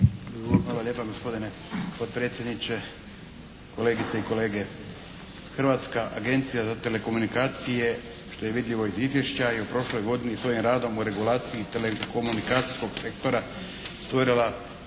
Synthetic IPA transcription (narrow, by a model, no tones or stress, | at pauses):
alˠalʲʎeːpaɡo̞spo̞d̪ine | pot̪̚pɾe̞t̪sʲje̞d̪nit͡ʃe | ko̞le̞ːɡit̪seiko̞le̞ːɡe̞ | xrʋat̪skaʔaɡe̞nt̪sijazat̪e̞le̞ko̞munikaːt̪sije̞ | ʃt̪o̞je̞ʋid̪ʎʲiʋo̞izizʋjeʃt͡ɕajeupɾo̞ʃlo̞jɡo̞d̪inisʋo̞jimɾaːd̪o̞muɾe̞ɡulaːt̪siit̪eleko̞munikaːt̪si̥sko̞ɡse̞kt̪o̞ɾa | st̪ʋo̞ɾilˠa